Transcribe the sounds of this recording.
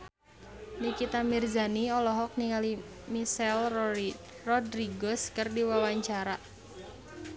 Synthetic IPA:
nikit̪amirzaniɔlɔɦɔk̚niŋali | misɛl | rɔdɾiɡɔskɨrdiwawaɲt͡ʃaɾa

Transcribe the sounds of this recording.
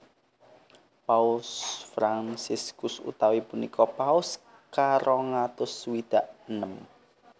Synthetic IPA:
paʊlsfɾansɪskʊsṵt̪awipunikʰɔpaʊs | kaɾʔɔŋat̪ʊswid̪̥aʔənəm

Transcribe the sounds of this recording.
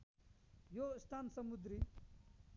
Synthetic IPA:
jost̪ʰaːnsɐmud̪ɾi

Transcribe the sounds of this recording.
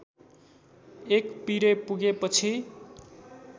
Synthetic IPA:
ekpiɾepuɡepʌt͡sʰi

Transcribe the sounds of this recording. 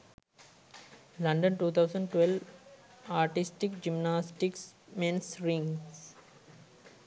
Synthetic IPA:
lʌ̃ɳɖə̃nʈuːt̪ʰaʊsə̃ɳɖʈʋelʋ | aːɾʈɪsʈɪkd͡ʒimnaːsʈɪksmẽnsɾĩŋ

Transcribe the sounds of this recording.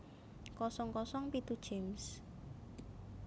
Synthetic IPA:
kɔsɔŋkɔsɔŋpit̪ud̥ʒ̥ems

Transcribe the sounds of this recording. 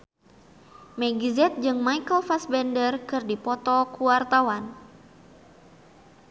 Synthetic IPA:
mɛɡizɛt̪̚d͡ʒɨŋmajkəlfasbɛndərkɨrdipɔt̪ɔkuwart̪awan

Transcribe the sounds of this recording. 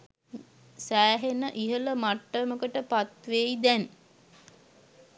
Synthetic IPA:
sæːɦenəʔiɦələmaʈːəməkəʈəpat̪ʋeid̪ɛn

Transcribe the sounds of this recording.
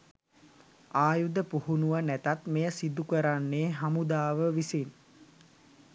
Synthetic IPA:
aːjud̪əpuhunuʋənæt̪at̪mejəsid̪ukəɾanːeːɦamud̪aːʋəʋisin

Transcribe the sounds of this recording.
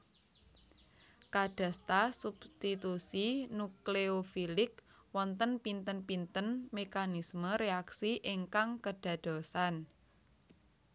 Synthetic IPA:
kaɖ̥ä̤st̪asub̥st̪it̪usinukleofilɪk | wɔnt̪ənpint̪ənpint̪ənmekanisməɾeaksiʔiŋkaŋkəɖ̥a̤d̪̥o̤san

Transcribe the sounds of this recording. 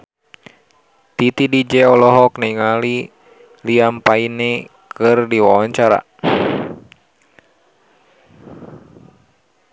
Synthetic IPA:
t̪it̪idid͡ʒɛɔlɔɦɔknɛiŋali | liampainɛ | kɨrdiwawaɲt͡ʃaɾa̰

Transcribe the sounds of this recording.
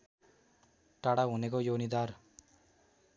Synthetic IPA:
ʈaɽaɦunekojonid̪ar

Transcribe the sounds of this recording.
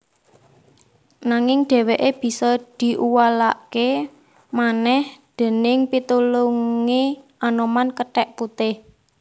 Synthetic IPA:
naŋɪŋɖ̪̥e̤weʔeb̥i̤sɔd̪̥i̤ʔuwalake | manɛhd̪̥e̤nɪŋpit̪uluŋiʔanomankəʈɛʔput̪ɪh

